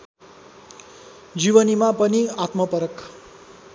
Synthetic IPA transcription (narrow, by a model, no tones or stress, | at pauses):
d͡ziwʌnimapʌniat̪mʌpʌɾʌk